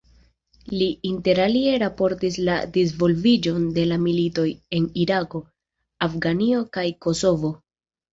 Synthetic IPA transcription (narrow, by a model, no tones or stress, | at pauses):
liinte̞ɾalie̞ɾapo̞ɾtisladizvo̞lvid͡ʒo̞nde̞lamilito̞je̞niɾako̞ | afɡanio̞kajko̞so̞vo̞